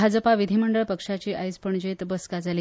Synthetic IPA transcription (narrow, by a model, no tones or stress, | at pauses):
ad͡zəpaʋid̪ʱiməɳɖəɭpəkʂat͡ɕiːʔajspəɳd͡ʑet̪bəskad͡zali